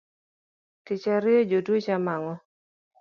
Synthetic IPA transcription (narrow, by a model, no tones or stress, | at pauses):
tɪt͡ʃaɾɪod͡ʒodot͡ʃamaŋɔ